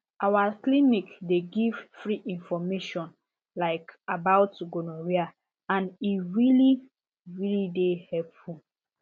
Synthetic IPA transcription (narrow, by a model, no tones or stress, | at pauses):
awaklĩnikdeɡiv̥fɹiʔĩnfɔmeʃɔ̃n | laɪkabaʊtuɡonoɹia | ãniɹili | ɹilidehɛpfu